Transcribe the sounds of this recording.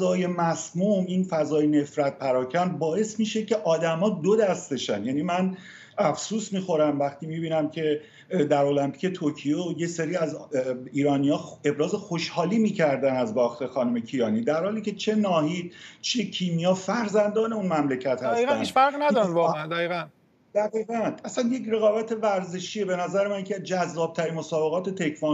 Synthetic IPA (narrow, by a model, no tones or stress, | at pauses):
ɒːje̞mæsmuminfæzɒːjene̞fɾæt̪̚pʰæɾɒːcʰænbɒːe̞smiːʃece̞ʔɒːd̪æmɒːd̪od̪æst̪e̞ʃænjæːniːmæn | æfsuːsmiːxo̞ɾæmvæxt̪ʰiːmiːbiːnæmcʰe̞ | d̪æɾo̞læmpi̥ce̞t̪ʰoɾcʰijoje̞seɾiːæziːɾɒːnijɒːe̞bɾɒːze̞xoʃhɒːliːmiːcʰæɾd̪ænæzbɒːxt̪ʰe̞xɒːnume̞cʰijɒːniːd̪æɾhɒːliːcʰe̞t͡ʃʰe̞nɒːɦiːd̪t͡ʃʰecʰiːmijɒːfæɾzænd̪ɒːne̞unmæmlecʰæt̪hææsiːɣææniʃfæɾɣinæd̪ɔɾimvɒːænd̪æɣiːɣæn | d̪̥æɣiːɣænæsænjecɾe̞ɣɒːbæt̪ʰe̞væɾze̞ʃiebe̞næzæɾemæncʰed͡ʒæzːɒːb̥̚t̪ʰæɾinmo̞sɒːbe̞ɣɒːt̪ʰe̞t̪ʰe̞kʰvɑ